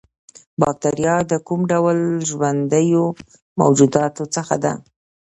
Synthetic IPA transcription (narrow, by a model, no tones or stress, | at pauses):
bɑk̚t̪aɾjɑd̪əkumɖawəlʒwand̪əjo | ma̰wd͡ʒud̪ɑt̪ot͡səxa̰d̪a̰